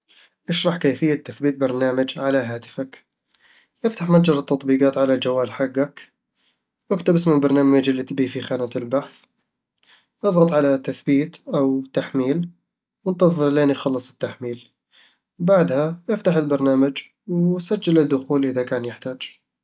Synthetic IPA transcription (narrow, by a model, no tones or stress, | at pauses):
ʔɪʃɾˤɑħkaːfɪjːat̪ːaθbiːt̪̚bɑɾˤnaːmad͡ʒʕalaɦaːt̪ɪ̥fak | ʔɪft̪aħmad͡ʒɑɾˤɨt̪ːɑt̪ˤbiːqɑːt̪ʕalald͡ʒawːaːlħaɡːak | ʔakt̪abɪsmɪlbɑɾˤnaːmad͡ʒɪlːit̪biːfixaːnat̪ɪlbaħθ | ʔɑðˤɣɑt̪ˤʕalat̪ːaθbiːt̪ʔawt̪aħmiːl | wɪnt̪ɑðˤɨɾleːnjxɑlːɨsˤɪ̥t̪ːaħmiːl | baʕd̪haʔɪft̪aħɪlbɑɾˤnaːmad͡ʒ | wsad͡ʒːalɪd̪ːʊxuːlʔɪðakaːnjɪħt̪aːd͡ʒ